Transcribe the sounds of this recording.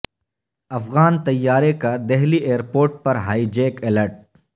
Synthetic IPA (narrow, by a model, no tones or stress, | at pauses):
ɐfɣaːnt̪ɐjːaːɾekad̪ɛɦlieːəɾpoːɾʈ̚pɐɾɦaːid͡ʒeːkɪləʈ̚